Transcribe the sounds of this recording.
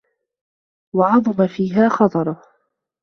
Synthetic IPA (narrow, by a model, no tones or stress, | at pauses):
wɑʕɑðˤʊmafiːɦaːxɑt̪ˤɑɾˤʊ